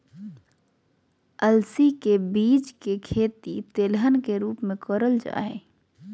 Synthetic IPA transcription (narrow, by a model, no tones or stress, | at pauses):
əlsikebiːt͡ʃkekʰeːt̪it̪eːlɦənkeɾuːpmẽkɔɾəld͡ʒa̰ːe